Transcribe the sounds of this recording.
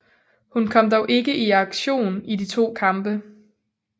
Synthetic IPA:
hunkʰɒ̽m̰d̥ɒʊʔe̝ɡ̥əʔiɑ̈ɡ̥ɕo̝̰ːnidit͡sʰo̝̰ːkʰɑ̈mb̥ə

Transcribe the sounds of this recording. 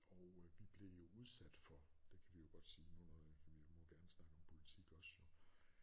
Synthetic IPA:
ɒʊʋib̥le̝jo̝uð̞ˠsæd̥fɒ̽d̥e̝kʰæʋijo̝ɡ̥ɒ̽d̥siːnunɔð̩ˠʋimɒɡ̥æɐnəsnɑ̈ɡ̥əɒ̽mpʰo̝lit͡sʰiɡ̥ɒ̽sjo

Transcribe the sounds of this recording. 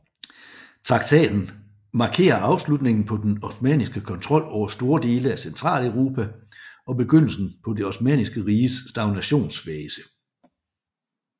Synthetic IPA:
t͡sʰʁɑ̈ɡ̥̚t͡sʰɛ̰ːd̥n̩ | mɑ̈ːkʰe̝̰ːɐʔɑ̈ʊslud̥ne̝ŋn̩pʰɒ̽d̥enɒsmɛ̰ːnisɡ̥əkʰɒ̽nt͡sʰʁɒ̽l̰ɒʊ̰ɐsd̥o̝ːɐd̥e̝ːləæsent͡sʰʁɑ̰̈ːləʊʁo̝ːpʰæɒ̽b̥e̝ɡ̥øn̰l̩sn̩pʰɒ̽de̝ɒsmɛ̰ːnisɡ̥əʁiːəsːd̥ɑ̈ʊnæɕo̝̰ːnsfɛːsə̥

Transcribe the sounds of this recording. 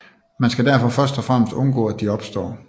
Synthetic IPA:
mænsɡ̥æd̥æɐfɒ̽fɶɐsd̥ɒfʁam̰əsd̥ɔ̽nɡ̥ɔ̰̽ːæd̥iɒ̽b̥sd̥ɒ̰ː

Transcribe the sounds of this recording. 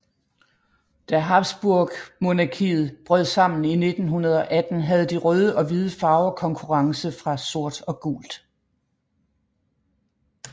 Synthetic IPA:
d̥æɦɑ̈b̥sb̥uɐɡ̥mo̝nɑkʰiːð̩ˠb̥ʁœð̰ˠsɑ̈m̰n̩ine̝d̥n̩ɦunɐð̞ˠɒ̽ʔæd̥n̩ɦæð̞̩ˠd̥iʁœːð̞ˠəʔɒ̽ʋið̞ˠəfɑ̈ʊkʰɒ̽ŋkʰuʁɑ̈ŋsəfʁɑ̈so̝ɐ̰d̥ɒ̽ɡ̥ṵːld̥

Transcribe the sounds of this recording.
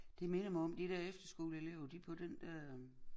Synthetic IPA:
d̥e̝me̝nɐmɑɒ̽md̥id̥æɐ̰efd̥ɐsɡ̥o̰ːləe̝leʊɐd̥ipʰɒ̽d̥end̥æ

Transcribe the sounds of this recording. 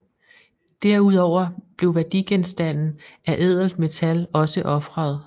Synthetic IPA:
d̥æɐuð̰ˠɒʊ̰ɐb̥le̝ʊʋæɐd̥iɡ̥ensd̥æn̰n̩æɐʔeð̞̰ˠl̩d̥me̝t͡sʰælɒ̽səʔɒ̽fʁɑð̞̩ˠ

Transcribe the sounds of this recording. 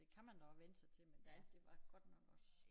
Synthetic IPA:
e̝kʰæmænd̥ɒʋenəsɑ̈ɪt͡sʰe̝lmend̥ed̥e̝ʋɑ̈ɡ̥ɒ̽d̥nɒɡ̥ɒ

